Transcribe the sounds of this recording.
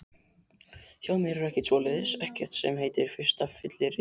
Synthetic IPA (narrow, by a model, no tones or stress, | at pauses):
çaːwmɪɾɪɾɛhcɪsɔːlɪðɪsɛhcɛr̥t̪sɛ̰mɦeːjt̪ɪɾ̥fɪ̥st̪afɪt̪lɪɾɪ